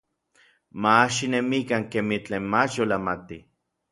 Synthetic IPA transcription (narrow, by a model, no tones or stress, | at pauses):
maːʃinemikaŋkemit͡ɬeːnmat͡ʃjolamat̪i